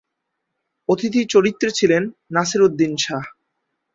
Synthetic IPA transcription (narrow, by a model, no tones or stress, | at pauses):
ot̪ʰit̪it͡ɕoɾit̪ːɾet͡ɕʰilenːasiɾod̪ːinʃa